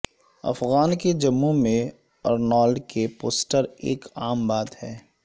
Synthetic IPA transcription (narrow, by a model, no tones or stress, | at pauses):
ɐ̰fɣaːnked͡ʒɐmːumẽ | ɐɾnɔːlɖkepoːsʈəɾḛːkaːmbaːt̪hɛː